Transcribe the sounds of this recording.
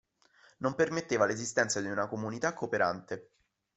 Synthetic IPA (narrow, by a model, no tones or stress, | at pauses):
nompermet̪ːeːvalezist̪ɛnt̪sad̪iunakomunit̪akːopeɾʔa̰nt̪e